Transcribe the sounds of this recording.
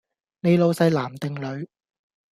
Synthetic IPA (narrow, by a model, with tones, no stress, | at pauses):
ne˨˧jlo˨˧wsɐ˧jlaː˨˩mt̪ɪ˨˧ŋlɵ˨˧ɥ